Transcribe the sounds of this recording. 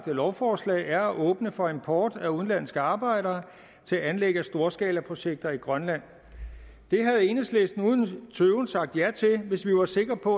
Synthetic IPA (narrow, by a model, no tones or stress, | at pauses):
d̥əlɒʊfɒːslɛ̰ɪæɐæʔɔːb̥nəfɒ̽e̝mpʰɒːd̥æuðˠn̩læn̰sɡ̥əɑ̈ːb̥ɑ̈ɪ̰ɾɐː | t͡sʰe̝æænleɡ̥əæsd̥o̝ːɐsɡ̥ɛ̰ːlæpʰʁo̝ɕeɡ̥̚d̥ɐiɡ̥ʁɶnlæn̰ | d̥e̝ɦæð̩ˠe̝nəsleːsd̥nuðˠn̩t͡sʰøːʊnsɑ̈ɡ̥̚d̥jæt͡sʰe̝lʋe̝sʋiʋɑ̈se̝ɡ̥ʁɐpʰɒ̽